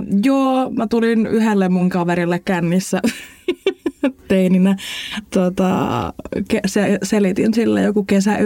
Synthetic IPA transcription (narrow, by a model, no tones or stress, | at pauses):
joːmæt̪ulinyhelːemmuŋkɑʋeɾilːekkænːisːæ | t̪eininæt̪uot̪ɑ̰ | keseselit̪insilːḛjokukesæ